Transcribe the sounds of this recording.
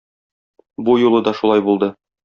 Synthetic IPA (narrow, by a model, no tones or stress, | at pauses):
bujulˠɤd̪ɒʃulˠɑjbulˠd̪ɤ